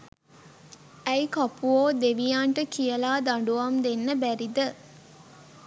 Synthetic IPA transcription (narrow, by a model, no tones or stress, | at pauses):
æjkapuoːd̪eʋijaːɳʈəkijəlaːd̪aɳɖuʋamd̪enːəbæɾid̪ə